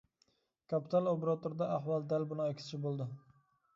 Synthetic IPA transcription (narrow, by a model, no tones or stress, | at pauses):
kʰapɪ̥t̪ʰalˠopeɾat̪oɾd̪aaɦwɑlˠd̪albʊnɪakʲɪ̥st͡ʃʰɪbolˠd̪ɪ